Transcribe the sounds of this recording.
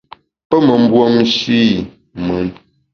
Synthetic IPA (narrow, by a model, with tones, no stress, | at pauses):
pə˦mə˨m̩˦bwo˦mʃi˦˨ | mɨ˨˦n